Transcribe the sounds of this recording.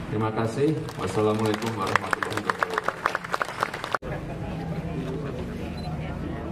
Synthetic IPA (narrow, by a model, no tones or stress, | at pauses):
t̪ɾimakasɪhwa̰salamalakʊmwaɾahmat̪ulːaɦikatalala